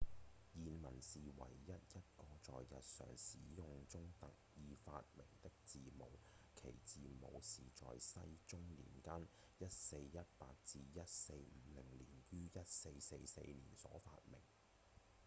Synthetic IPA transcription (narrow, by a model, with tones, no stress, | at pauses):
jiː˨nmɐ˨˩nsiː˨wɐ̰˨˩jːɐ˦˥t̚jɐ˥t̚kɔː˧t͡sɔ̰ː˨jjɐ˨t̚sœ̰ː˨˩ŋsḭː˨˥jʊ˨˧ŋt͡sʊ˥ŋt̪ɐ˨k̚jiː˨faː˧t̚mɪ˨˩ŋt̪ɪ˥k̚t͡siː˨mo˨˩wkʰe˨˩jt͡siː˨mo̰˨˧wsiː˨t͡sɔ̰ː˨jsɐ˥jt͡sʊ˥ŋlḭː˨˩nkɐ˥n | jɐ˥t̚se˧jjɐ˥t̚paː˧k̚t͡siː˧jɐ˥t̚se˧jm̩˨˧˦lɪ˨˩ŋliː˨˩njyː˥jɐ˥t̚se˧jse˧jsḛ˧jliː˨˩nsɔ̰ː˨˥fa̰ː˧t̚mɪ˨˩ŋ